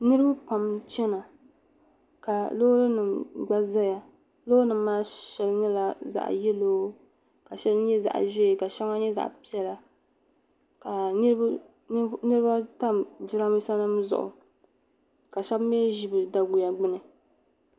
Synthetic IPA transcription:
nɨ˦ɾɨ˦ba˦pa˨mt͡ʃɛ˦na˨ | ka˨lo˦ɾɨ˦nɨ˨mɡ͡ba˦za˦ja˨ | lo˦nɨ˨mː˦aː˦ʃɛ˨lɲɛ˦la˨za̰˨ʔjɛ˦loː˦ | ka˨ʃɛ˦lɲɛ˦za̰˨ʔʒɛ˦˨ka˨ʃɛ˦ŋa˦ɲɛ˦za̰˨ʔpi˦ɛ˦la˦ | ka˨˦ | nɨ˦ɾɨ˦ba˦ta˦md͡ʒɪ˦ɾa˦mi˦sa˦nɨ˦m˦zʊ̰˨ʔʊ̰˨ | ka˨ʃa˦bmeː˦ʒi˦˨bɨ˨da˨ɡu˨ja˨ɡ͡bɪ˦nɨ˨

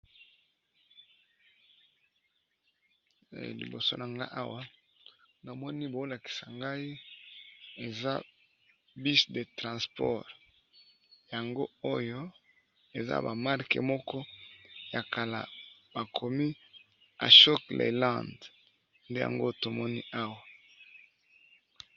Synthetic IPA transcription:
lḭ˨bo˨so̰˦na˨ŋɡa˦ʔa˦wa˦ | na˨mɔ˦ni˦bo˨˦la˨ki̥˨sa˨ŋɡa˦i˦ | e˨za̰˦ | bi˦sde˨tʁã˨spɔ̰˦˨ʁ | ja˨ŋɡo˦o˦jo˦ | e˨za̰˦ba˨ma˦ʁkḛ˨mɔ˦kɔ˦ja˨ka˨la̰˨b̥a˨kʰo˨mi˦ | a̰˨ʃɔ˦klʔḛ˨lã˨nd | nde˦ja̰˨ŋɡo˦to˨mɔ˦ni˦a˦wa˨

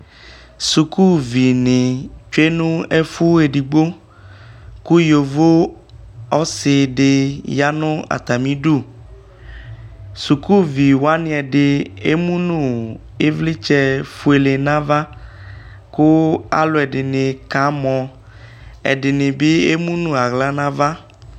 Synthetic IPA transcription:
su˨ku˦vi˨nɪ̃˨t͡ʃe˦nũ˦ɛ˦fu˦e˨ɖi˨ɡ͡bo˦ | ku˦jo˨vo˦ | ɔ˦sɪ˨ɖɪ˨ja˦nʊ̃˦a̰˨t̪a˨mĩ˦ɖu˦˨ | su˨ku˦vi˨wa˦nɪ̃˦ɛ˨ɖɪ˨e˦mũ˦nũ˦ | e˦vlɪ˦t͡ʃɛ˦fu˦e˨le˨nã˦va˦ | kʊ˦a̰˨lʊ˦ɛ˨dɪ˨nɪ̃˨ka˨˦mɔ̃˨ | ɛ̰˨ɖɪ˨nɪ̃˨be˦e˦mũ˦nũ˦˨a˨ɣla˦nã˦va˦

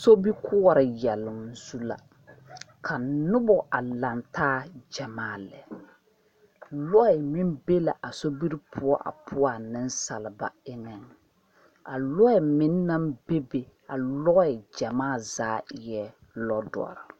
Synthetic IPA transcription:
so˦bi˦kʰʊ˦a˨ɾɪ˨jɛ˨lʊ˨mzu˦la̰˨ | kʰa˨nʊ˦bɔ˨ʔa˨la˨ntaː˦d͡ʒa˨maː˦˨lɛ˨ | lɔ˦ɛ˨mi˦mbe˦la˨ʔa˨so˦bi˦ɾi˦pʰʊ˦ɔ˦ʔa̰˨pʰʊ˦ɔ˦a˨nɪ˦nsa˨lɪ˨ba̰˨ɪ˦nɛ˨ŋ | a˨lɔ˦ɛ˨mɪ˨nː˦a˦mbe˦be˨a˨lɔ˦ɛ˨d͡ʒa˨maː˦˨zaː˨˦jɛ˦ | lɔ˦dɔ̰˨ɔ̰˨ɾɪ˨

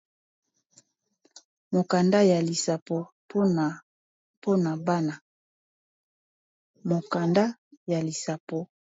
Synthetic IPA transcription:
mo˨ka˨nda˦ja˨li˨sa˨po˨ | p | pʰo˦na˨ba˦na˨ | mo˨ka˨nda˦ja˨li˨sa˨po˨

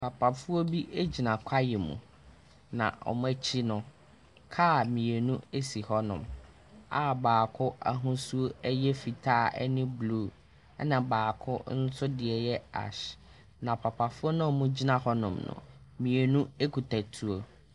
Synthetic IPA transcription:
pʰa˨pʰa˨fʊ˦o˦bi˦ʔe˦d͡ʑi˨nã˨kʷʰa˦jɛ˨mṵ̃˨ | nã̰˨ɔ̰˨mʊ̃˦æ˦t͡ɕʰi˦nʊ̃˦ | kʰa˦˨mĩ˨e˨nũ˦e˦si˨hɔ˦nʊ̰̃˨m | a˨baː˨kʰʊ˦ʔa˨ɦũ˦su˦o˦ɛ˦jɛ˦fi˨tʰaː˦˨ʔɛ̰˦nɪ̃˦bluː˦˨ | ɛ˦nã˨baː˨kʰʊ˦n̩˦sʊ˦dɪ˨ɛ˨jɛ˦a̰˨ɕ | nã˨pʰa˨pʰa˨fʊ˦ɔ˦nʊ̃˦˨mʊ̃˦d͡ʑi˦nã˨hɔ˦nʊ̰̃˨mnʊ̰̃˨mĩ˨e˨nũ˦e˦kʰu˨tʰa˨tʰu˨o˦

